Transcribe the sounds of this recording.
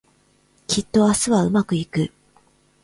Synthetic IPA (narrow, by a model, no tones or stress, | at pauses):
kʲit̪ːo̞asɨβaɯ̟makɯ̟ikɯ̟